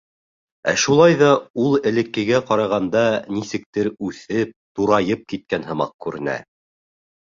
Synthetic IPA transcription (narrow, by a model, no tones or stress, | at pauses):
æ̰ʃulˠɑjðɑulˠɘ̆lɘ̆kːɘ̆ɡæqɑɾɑʁɑnd̪ɑnisɘ̆k̚t̪ɘɾʉθɘp̚t̪uɾɑjɤp̚kit̪̚kænhɤ̆mɑ̰q̚kʉɾɘ̆næ̰